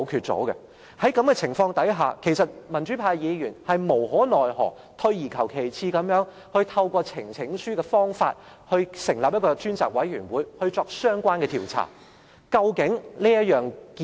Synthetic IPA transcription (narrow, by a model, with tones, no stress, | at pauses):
kʰyː˧t̚t͡so̰˨˥ɡɛ˧ | hɐ˨˥jkɐ˨˥mkɛ˧t͡sʰɪ˨˩ŋfɔː˧ŋt̪ɐ˨˥jɦa̰ː˨kʰe˨˩jsɐ˨t̚mɐ˨˩nt͡ʃyː˨˥pʰaː˧jjiː˨˧jyː˨˩nhɐ˨jmo˨˩wɦɔː˨˥nɔː˨jɦɔ̰ː˨˩k̚ | t̪ʰɵ˧ɥjiː˨˩kʰɐ˨˩wkʰe˨˩jt͡sʰiː˧kɐ˨˥mjœː˨˥ŋ | hɵ˧ɥt̪ʰɐ˧wkʷɔː˧t͡sʰɪ˨˩ŋt͡sʰɪ˨˥ŋsyː˥kɛː˧fɔː˥ŋfaː˧t̚ | hɵ˧ɥsɪ˨˩ŋlaː˨p̚jɐ˥t̚kɔː˧t͡ʃyː˥nt͡sa̰ː˨˩k̚wɐ˨˥jɥyː˨˩nwuː˨˥jhɵ˧ɥt͡sɔː˧k̚sœː˥ŋkʷaː˥nkɛː˧t̪ʰiː˨˩wt͡sʰa̰ː˨˩ | kɐ˧wkɪ˨˥ŋliː˥jɐ˥t̚jœː˨ŋkː